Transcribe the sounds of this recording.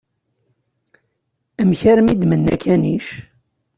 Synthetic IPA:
æmçæɾmid̪mənːæ̰kʰæniʃ

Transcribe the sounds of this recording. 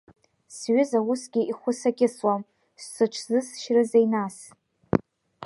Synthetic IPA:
sɥʏzawʊsɡʲɪiχʷʊsaɡʲɪswam | sːɨʈ͡ʂʷʰzɨsʃrɨzejnas

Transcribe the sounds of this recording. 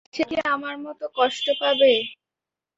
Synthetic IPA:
t͡ɕʰekeamaɾmɔt̪okɔʃʈopabe

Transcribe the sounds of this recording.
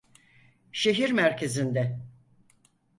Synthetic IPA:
ʃe̞ɦiɾmæɾcʰe̞zind̪ɛ

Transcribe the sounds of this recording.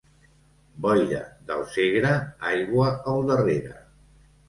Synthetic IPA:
bɔʎə̰d̪əlˠseɣɾəajɣwəəlˠd̪əreɾə̰

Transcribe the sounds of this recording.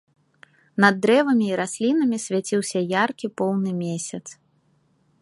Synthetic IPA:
nɐd̪ːɾɛvɐmʲiːɾasʲlʲinɐmʲisʲvʲat͡sʲiwsʲɐjarkʲipɔwnɨmʲesʲɐt̪s

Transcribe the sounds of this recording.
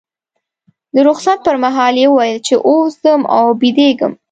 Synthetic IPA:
d̪əɾoxsat̪̚pəɾmaɦɑljewəwɑjəlt͡ʃeʔosd̪əma̰wbid̪eɡə̰m

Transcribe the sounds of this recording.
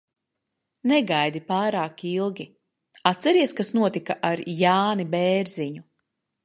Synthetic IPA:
nɛɡajd̪ipaːɾaːkilˠɡʲi | at̪sɛɾiɛskasnuɔt̪ikaʔaɾjaːnibɛːɾziɲu

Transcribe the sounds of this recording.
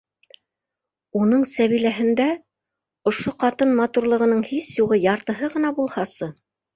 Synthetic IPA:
unɤɴsæβilæɦɘ̆nd̪æ | ŏʃoqɑt̪ɤnmɑt̪uɾlˠɤ̆ʁɤ̆nɤɴhisjuʁɤjɑɾt̪ɤ̆ɦɤʁɤ̆n̪ɑbulˠhɑsɤ

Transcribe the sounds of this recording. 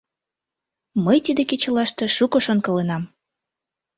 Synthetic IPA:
məjt̪id̪eket͡ɕə̆lɑʃt̪e̽ʃukoʃonkɤ̆lenɑm

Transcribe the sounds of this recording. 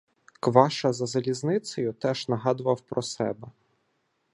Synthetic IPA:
kʋɑʃɐzɐzɐlʲiznɪsɔjʊt̪ɛʒ̥nɐɦɑd̪ʊʋɐwpɾɔsɛbɛ

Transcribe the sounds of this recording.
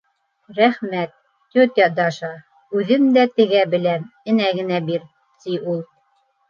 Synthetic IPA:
ɾæχmæt̪ː | ot̪jɑd̪ɑʃɑ | ʉðɘmd̪æt̪ɘ̆ɡæbɘ̆læmɘ̆næɡɘ̆næbiɾ | t̪iulˠ

